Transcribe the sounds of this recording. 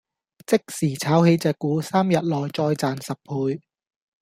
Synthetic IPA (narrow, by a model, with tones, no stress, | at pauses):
t͡sɪ˥k̚siː˨˩t͡sʰaː˨˥whe˨˧jt͡sɛː˨˧kːuː˨˥saː˥mjɐ˨t̚lɔː˨˩jt͡sɔː˧jt͡saː˨nsɐ˨p̚pʰuː˧j